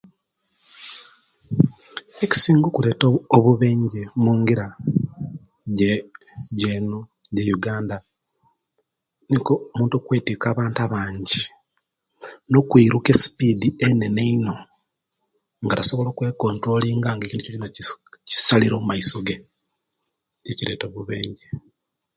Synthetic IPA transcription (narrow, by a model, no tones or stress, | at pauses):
e̞ci̥siːŋɡokule̞ːtooβuβeːɲɟimuːŋɡiɾa | ɟeɟenuɟejuɡaːnda | nikomuːntokwetikaːβaːntaβaːɲɟi | no̞kwiːɾuke̞si̥pidieneneino̞ | ŋɡatasoβo̞lo̞ːkwe̞ːko̞ːntɾo̞liːŋɡaŋɡeciːntucocinaci̥saliɾoːmumaisoɡe | ceciɾeːto̞βuβeːɲɟe